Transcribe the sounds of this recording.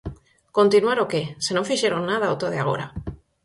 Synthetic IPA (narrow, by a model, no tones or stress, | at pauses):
ko̞nt̪inwaɾokesenofiʃeɾonːað̞aot̪oð̞ea̰ɣ̞o̞̰ɾa